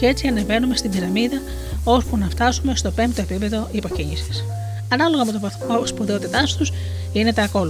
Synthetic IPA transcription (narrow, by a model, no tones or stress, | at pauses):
e̞t͡siɐne̞ve̞nume̞st̪iðiɾɐmiðɐ | o̞spunɐft̪ɐsume̞st̪o̞pe̞mpt̪o̞epipe̞ðo̞ʔipo̞ciɲisi̥s | ɐnɐlo̞ɣɐpot̪o | spoðeo̞t̪it̪ɐst̪us | ʝinet̪eɐko̞l